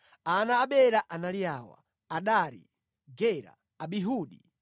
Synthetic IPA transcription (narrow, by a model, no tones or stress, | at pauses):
anaːɓɛɾaʔanalijaːwa̰ | aɗaɾḭ | ɡɛɾa̰ː | ɓiɦuːɗi